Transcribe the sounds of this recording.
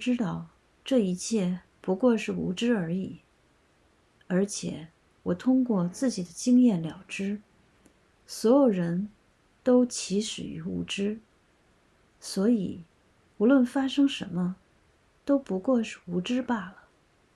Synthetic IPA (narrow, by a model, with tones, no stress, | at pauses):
ʈ͡ʂɻ̩˥t̪ɑ˥˧ʊ | ʈ͡ʂɤ˥˩i˧˥t͡ɕʰjɛ˥˩ | pu˧˥kwɔ˥˧ʂɻ̩˥˩ṵ˧˥ʈ͡ʂɻ̩˥ə˞˧˥i˨˩˦ | ə˞˧˥t͡ɕʰjɛ̰˨˩˦ | wɔ˨˩t̪ʰʊ˥ŋkwɔ˥˧t͡sɹ̩˥˩t͡ɕi˨˩d̪ə˦t͡ɕi˥ŋjɛ˥˩nljɑ˨˩ʊʈ͡ʂɻ̩˥ | swɔ˧˥jo˨˩ʊɻə˧˥n | t̪o˥ʊt͡ɕʰi˧˥ʂɻ̩˨˩y̰˧˥ṵ˥˩ʈ͡ʂɻ̩˥ | swɔ˧˥i˨˩ | u˧˥lwə˥˩nfa˥ʂɤ˥ŋʂə˧˥nmə˧ | t̪o˥ʊpu˧˥kwɔ˥˧ʂɻ̩˥˩u˧˥ʈ͡ʂɻ̩˥pa˥˩lə˩